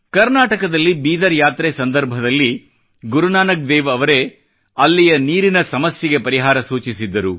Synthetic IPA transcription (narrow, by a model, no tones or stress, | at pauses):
kɐɾnaːʈɐkɐd̪ɐlːibiːd̪ɐɾjaːt̪ɾesɐnd̪ɐɾbʱɐd̪ɐlːi | ɡuɾunaːnɐk̚d̪ɛːʋɐʋɐɾe̞ | ɐlːijɐniːɾinɐsɐmɐsjɐɡe̞pɐɾiɦaːɾɐsuːt͡ʃisid̪ːɐɾu